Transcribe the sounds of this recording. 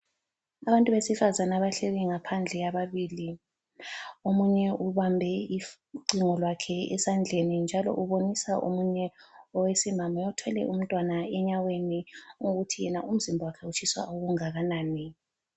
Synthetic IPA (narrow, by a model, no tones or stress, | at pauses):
aβantʼuβesifazanaβaɬeɣiŋapʰand͡ɮʱɛjaβaβiːli | omuɲɛʔuβambʱɛi | ǃiŋɔlwakʰɛɛ̰sand͡ɮʱenind͡ʒʱalɔ̰ʔuβonisaʔomuɲɛɔwesimamɔɔtʰwɛlɛ̰ʔum̩tʼwanaɛɲaweniŋoɣutʰijɛnaʔum̩zimbʱawakʰɛut͡ʃʰiswa̰oɣuŋaɣanaːni